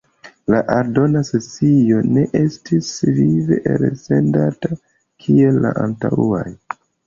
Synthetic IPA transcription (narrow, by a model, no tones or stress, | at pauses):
laʔaɾdo̞naset͡sio̞ne̞ʔe̞stisvive̞ʔeɾse̞ndata | kʰie̞lːa̰ʔantawua̰j